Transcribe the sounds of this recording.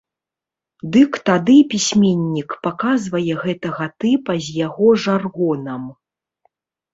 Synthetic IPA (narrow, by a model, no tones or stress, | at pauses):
d̪ɨkt̪ad̪ɨpʲisʲmʲenʲːikpakazvɐjɛɣɛt̪ɐɣɐt̪ɨpɐzʲjaɣɔʐarɣɔnɐm